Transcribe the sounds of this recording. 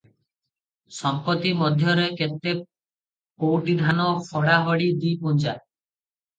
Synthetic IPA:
sɔmpɔt̪imɔd̪ʱjɔɾekent̪e | powʈid̪ʱanɔfʰɔɽaɦɔɽid̪ipund͡ʒa

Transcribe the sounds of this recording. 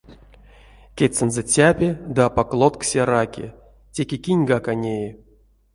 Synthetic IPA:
kʲet͡s̪ːɨnzɛt͡sʲapʲed̪ɨapaklˠot̪ksʲerakʲḛ | tʲe̞kʲekʲinʲɡakanʲeji

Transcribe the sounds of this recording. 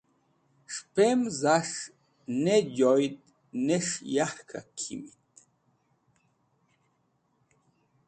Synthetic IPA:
ʂpemzaʂ | nejojt̪ | neʂjahkʰa̰kʰḭmit̪̚

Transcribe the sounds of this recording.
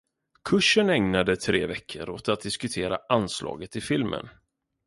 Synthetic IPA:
kʰɵʂːənɛŋnad̪ət̪ʰɾeːvɛkʰːəɾoːt̪at̪̚d̪ɪskɵt̪ʰeːɾa̰anslɑ̰ːɡət̪ɪfɪlmʔə̰n

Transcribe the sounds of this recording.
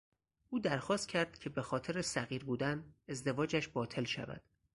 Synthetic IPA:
ʔuːd̪æɾxɒːst̪̚cʰæɾd̪̥cʲʰe̞bexɒːt̪ʰe̞ɾesæɣiːɾbuːd̪æne̞zd̪e̞vɒːd͡ʒæʃbɒːt̪ʰe̞lʃæ̰væ̰d̪̥

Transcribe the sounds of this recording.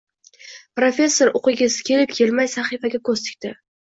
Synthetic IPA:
pɾofʲe̞sːo̞ɾʊqɪɡʲɪzɪ̥kʲʰe̞lɪp̚kʲʰe̞lmajsaχifaɡʲakʰɵzt̪ɪ̥kʲt̪ɪ

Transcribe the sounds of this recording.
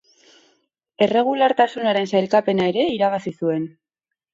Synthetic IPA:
e̞re̞ɣ̞ulaɾt̪asunaɾe̞nsajlkape̞naeɾe̞iɾaβasisue̞n

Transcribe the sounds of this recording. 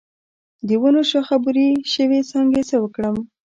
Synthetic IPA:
d̪əwunoʃaxabuɾiʃəwesɑŋɡesewəkɽəm

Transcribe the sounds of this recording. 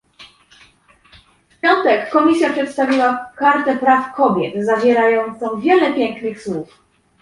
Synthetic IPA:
fpʲjɔnt̪ɛkːɔmʲis̬ʲjapʂɛt̪st̪avʲiwakaɾt̪ɛpɾafkɔbʲjɛt̪zavʲɛɾajɔnt̪sɔ̃w̃vʲjɛlɛpʲjɛŋknɘxswuf

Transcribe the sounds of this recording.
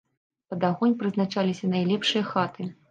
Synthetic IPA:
pɐd̪aɣɔnʲpɾɨznat͡ʂalʲisʲɐnajlʲɛpʂɨjɐxat̪ɨ

